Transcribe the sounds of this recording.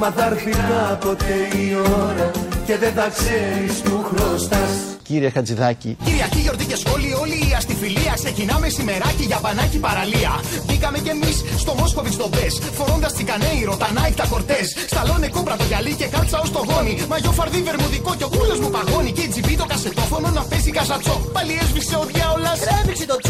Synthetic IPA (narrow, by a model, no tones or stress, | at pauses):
mɐðɐɾfinɐpo̞t̪eioɾɐce̞ðenθɐkseɾist̪uxɾost̪ɐs | ciɾiexɐd͡ziðɐcḭciɾiɐciʝo̞ɾt̪ice̞sxo̞lio̞liːɐst̪ifiliɐkse̞cinɐme̞sime̞ɾɐciʝɐpɐnɐcipɐɾɐliɐ | bikɐme̞ce̞misːt̪o̞mo̞sko̞pizd̪o̞be̞s | fo̞ɾo̞nd̪ɐst̪ikɐneiɾo̞t̪ɐnɐikt̪ɐko̞ɾt̪e̞sːt̪ɐlo̞ne̞kopɾɐt̪oʝɐlice̞kɐlt͡sɐo̞st̪o̞ɣo̞nimɐʝo̞fɐɾðive̞ɾmuðiko̞co̞kulo̞zmupɐɣo̞niceid͡zipit̪o̞kɐse̞t̪o̞fo̞no̞nɐpezikɐzɐt͡so̞pɐliezviseo̞t̪ʝɐolɐs